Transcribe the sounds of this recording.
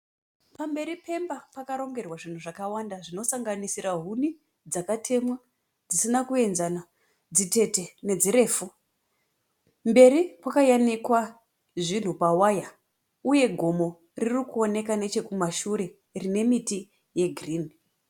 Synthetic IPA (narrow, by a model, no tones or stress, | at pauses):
pambe̞ɾipe̞mbapakaɾo̞ŋɡe̞rwaʐin̤uʐakawandaʐino̞saŋɡanisiɾaɦuni | d͡zakatʰe̞mwa | d͡zisinakue̞nzana | d͡zite̞te̞ne̞d͡ziɾe̞ːfu | mbe̞ɾipwakajanikwa | ʐin̤upawaja | uje̞ɡʱo̞mo̞ | ririkuo̞ne̞kane̞t͡ʃe̞kumaʃuɾe̞ | rine̞miti | je̞ɡʱriːni